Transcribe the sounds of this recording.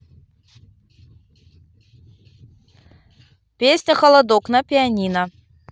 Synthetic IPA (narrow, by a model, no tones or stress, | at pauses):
pʲesʲnʲəxəlˠɐd̪oknapʲɪanʲinə